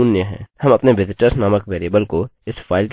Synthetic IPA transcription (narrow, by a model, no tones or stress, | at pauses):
nːjəɦɛ̰̃ːhɐmɐpneʋɪd̪ʈəsnaːməkʋeːɾeːbəlkoɪsfʰaːɪlk